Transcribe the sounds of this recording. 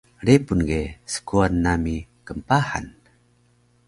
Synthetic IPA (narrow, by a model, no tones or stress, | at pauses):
ɾepunɡesə̥kuanːamikəmpaħa̰n